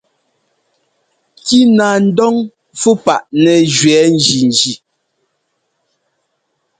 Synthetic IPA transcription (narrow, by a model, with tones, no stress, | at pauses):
ki˦naː˨n̩˦dɔ˦ŋ | fu˦pa˨ʔnɛ˨d͡ʒɥwɛː˨˦n̩˦˨d͡ʒi˨n˨d͡ʒi˨